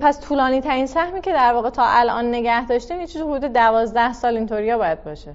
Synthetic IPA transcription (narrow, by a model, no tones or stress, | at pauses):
pʰæst̪ʰuːlɒːniːt̪ʰæɾiːnsæhmiːcʰe̞d̪æɾvɒːɣet̪ʰɒːʔælʔɒ̰ːnːe̞ɟæhd̪ɒːʃt̪ænjit͡ʃʰizihud̪uːd̪ed̪ævɒːzd̪æhsɒːlint̪ʰoɾijɒːbɒːjæd̪̚bɒːʃe